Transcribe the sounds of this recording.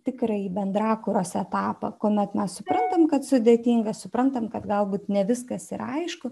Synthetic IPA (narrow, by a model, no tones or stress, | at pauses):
t̪ʲɪkɾɐiːbʲɛnd̪ɾɑːkʊɾoːsɛt̪ɑːpɐ̰koːmʲɛt̪mʲɛssʊpɾɐnt̪ɐmkɐt̪sʊd̪ʲeːt̪ʲiːŋɡɐsʊpɾɐnt̪ɐmkɐt̪ɡɐlˠbuːt̪nʲɛʋʲɪskɐsɪɾɐɪʃkʊ